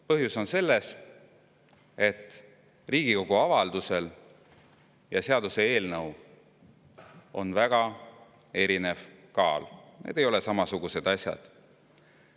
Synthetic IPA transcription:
pɤɦjuso̞nse̞lːes | e̞t̪ː | riːɡ̥iko̞ɡ̥uɑvɑld̪use̞l | jɑseɑd̪use̞e̞ːlnɤw | o̞̰nvæɡ̥ɑ | e̞ɾine̞vkɑːlnḛd̪e̞jo̞lesɑmɑsuɡ̥use̞d̪̥ɑsʲjɑ̰d̪̥

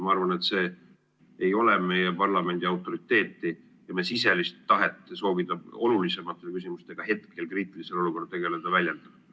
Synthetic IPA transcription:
mɑɑrvɑnet̪se̞ː | ejo̞lɛme̞jepɑrlɑme̞nʲd̪̥iɑwt̪ːˑo̞ɾit̪ːe̞ːt̪ːi | jɑmesise̞list̪ːɑɦet̪ːˑeso̞ːvid̪̥ɑo̞lulise̞mɑt̪ːˑe̞kysimust̪e̞ɡ̥ɑhe̞t̪ke̞lkriːt̪ilise̞lo̞luko̞rd̪̚t̪e̞ɡe̞le̞d̪̥ɑvælʲjend̪̥ɑ̥

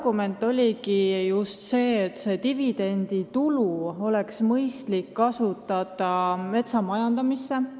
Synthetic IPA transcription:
ɡ̥ume̞nt̪ːˑo̞lʲikijust̪se̞ːt̪ːse̞ːt̪ivid̪̥e̞nd̪̥it̪uluo̞le̞ksmɤjst̪likːɑsut̪ːˑɑt̪ˑɑme̞t̪sɑmɑjɑnd̪ɑmisːe̞

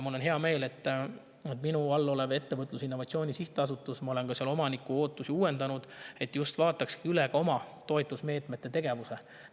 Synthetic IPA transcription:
mulo̞nɦeɑme̞ːle̞t̪ːˑ | et̪minuɑlːo̞leve̞t̪ːe̞vɤt̪ˑlusinːo̞vɑt̪sio̞ːnʲisiht̪ˑeɑs̬ut̪ːˑusmɑo̞le̞nkɑsiɑlo̞mɑnikːˑuo̞ːt̪ːˑusiuːwe̞nd̪ɑnud̪̥e̞t̪ːˑjust̪vɑːt̪ːˑɑkskiyleɡ̥ɑo̞mɑt̪o̞et̪ːˑusme̞ːt̪me̞t̪ːe̞t̪e̞ɡ̥e̞vuse̞

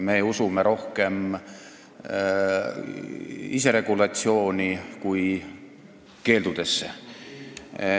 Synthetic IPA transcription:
me̞usumeɾo̞hke̞m | ise̞ɾe̞ɡ̥ulɑt̪sio̞ːnʲikuj | ke̞ːld̪̥ud̪̥e̞sːḛ

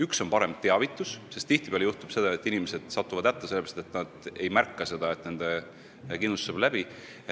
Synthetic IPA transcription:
ykso̞npɑɾe̞mt̪e̞ɑvit̪ːˑussest̪t̪iht̪ib̥eɑleuht̪ub̥se̞d̪̥ɑet̪ːˑinimese̞d̪̥sɑt̪ːuvɑd̪̥æt̪ːˑeselːeɾɑst̪et̪nɑd̪̥e̞jmærkːɑse̞d̪̥ɑe̞t̪ne̞nd̪̥e | kind̪ust̪ːseblæb̥i

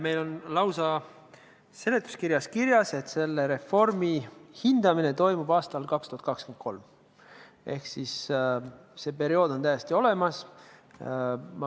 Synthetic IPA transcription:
me̞jlo̞nlɑwsɑ | se̞let̪ːˑu̥skiɾjɑskirjɑse̞t̪ˑse̞lːe̞ɾe̞fo̞rmihind̪ɑmine̞t̪o̞jmub̥ɑːst̪ɑlkɑkst̪uhɑt̪kɑkskymnt̪̚ko̞̰lm | ʔe̞̰hksis | se̞pe̞ɾio̞ːd̪̥ot̪æjest̪io̞le̞mɑs | mɑ

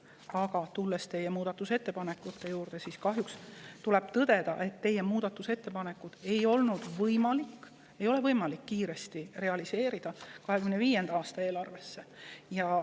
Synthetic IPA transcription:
ɑɡɑt̪ulːest̪e̞jːe̞muːd̪̥ɑt̪ːˑuse̞t̪ːe̞pɑnekːˑut̪ːe̞juːrd̪̥e̞siːskɑɦjukst̪ule̞b̥t̪ɤd̪e̞d̪̥ɑ̰ʔe̞t̪ːe̞jːe̞muːd̪̥ɑt̪ːˑuse̞t̪ːe̞pɑne̞kːˑud̪̥e̞jo̞lnud̪̥vɤjmɑlikː | e̞jo̞le̞vɤjmɑlikːiːɾe̞st̪ire̞ɑlise̞ːɾid̪̥ɑkɑɦe̞kymneviːjːe̞nd̪ɑɑːst̪ɑe̞ːlɑrve̞sːe̞jɑ

